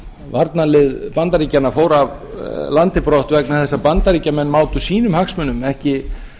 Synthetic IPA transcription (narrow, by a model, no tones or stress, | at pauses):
vaɾt̪nalɪðpant̪aɾiːcanːafoːwɾav | lant̪ɪpɾoht̪vɛknaθɛsːapant̪aɾiːcamɛnːmaːwt̪ʏsiːnʏmhaksmʏnːʏmɛhcɪ